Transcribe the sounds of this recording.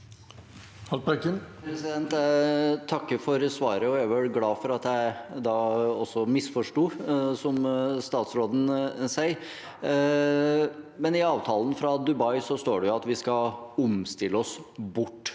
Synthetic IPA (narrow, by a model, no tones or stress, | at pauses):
hɑlbɛkənpʰɾɛsɪd̪ɛnt̪t̪ʰɑkːəfɔɾsʋɑːɾəɔɛʋɛlɡlɑːfɔɾɑt̪jæɪd̪ɑːɔsːɔmɪsfɔʂʈuːsɔmst̪ɑːt̪sɾoːd̪ən̩sæɪ | mɛnɪɑːʋt̪ʰɑːlənfɾɑd̪ʉbɑɪsɔst̪oːɖɛjʊɑt̪ʋɪskɑʊmst̪ɪlːəɔsbʊʈː